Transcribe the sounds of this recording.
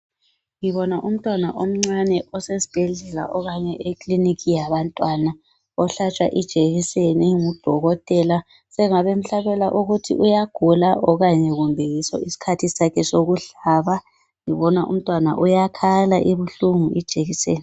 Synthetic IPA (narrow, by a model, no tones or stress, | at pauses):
ŋiβɔnaʔum̩tʼwanaʔom̩ŋ͡ǀanɛʔɔsesi̥b̥ʱɛɮɛla̰ʔɔɣaɲɛʔekʼlinikʰʼijaβantʼwana | ɔɬat͡ʃʼwa̰ʔid̥ʒ̥ʱeɣiseniŋud̥ʱɔɣɔtʼɛla | sɛŋaβem̩ɬaβɛlaʔuɣutʰḭʔujaɡ̥ʱulaʔɔɣaɲɛɣumbʱɛjisɔ̰isi̥kʰatʰisakʰɛsoɣuɮaβa | ŋiβɔnaʔṵm̩tʼwana̰ʔujakʰalaʔiβuɬuŋuʔid̥ʒ̥ʱeɣiseːni